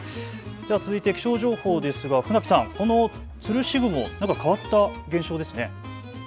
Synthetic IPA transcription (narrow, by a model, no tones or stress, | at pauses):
d̪e̞βat͡sɨzɨit̪e̞kʲi̥ɕo̞ːʑo̞ːhoːd̪e̞sɨɡaɸɯ̟nakʲi̥sãŋko̞no̞ | t͡sɨɾɯ̟ɕiɡɯ̟mo̞̰nãŋkakaβat̪ːaɡẽ̞ɰ̃ɕo̞ːd̪e̞sɨne̞